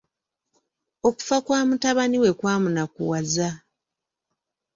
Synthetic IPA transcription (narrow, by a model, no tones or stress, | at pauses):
o̞ku̥fakwaːmutaβaniwe̞kwaːmunakṵwaza